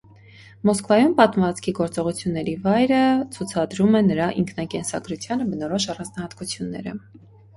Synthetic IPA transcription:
mɔskvɑjumpɑt̪mɑt͡skʰiɡɔɾt͡sɔʁut͡sʰjunːɛɾivɑjɾət͡sʰut͡sʰɑd̪ɾumɛnəɾɑʔḭŋkʰnɑkɛnsɑ̰ɡɾut͡sʰjɑnəbənɔɾɔʃɑrɑnd͡znɑhɑt̪kut͡sʰjunːɛ̰ɾə̰

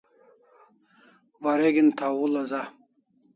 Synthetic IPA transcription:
vaɾeɡint̪ʰawulɐza

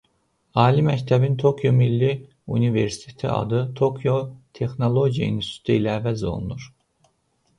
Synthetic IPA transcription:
ɑːlimæct̪ʰæbint̪ʰo̞kʰjomilːi | ṵnive̞ɾsi̥t̪ʰe̥t̪ʰḭɑ̰d̪ɯt̪ʰokʰjo̞t̪ʰe̞xno̞lˠo̞ɟijɑ̰inst̪u̥t̪ʰiilæːvæzo̞̰lˠṵnuɾ

